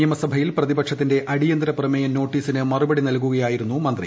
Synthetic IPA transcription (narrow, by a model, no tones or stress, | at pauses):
jɐmɐsɐbʱɐjilprɐðibɐkʂɐt̪ːinde̞ʔɐɽijɐnd̪ɾɐprɐmɐjɐno̞ːʈːiːsinɨmɐrubɐɽinɐlk̬uɣɐjaːjiɾunːumɐnd̪rḭ